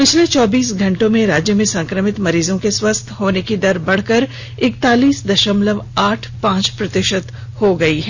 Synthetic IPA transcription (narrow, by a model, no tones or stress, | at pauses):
pɪt͡ʃʰlet͡ʃɔːbiːsɡʱɐ̃ɳʈõmẽɾaːd͡ʒjəmẽsɐ̃ŋkɾəmɪt̪mɐɾiːzõkeswɐst̪ʰɦoːnekid̪ɐɾbɐɽ̤kəɾ | ɪk̚t̪aːliːsd̪ɐʃəmləʋaːʈʰpãːt͡ʃpɾɐt̪ɪʃət̪ | hoɡɐiɦɛː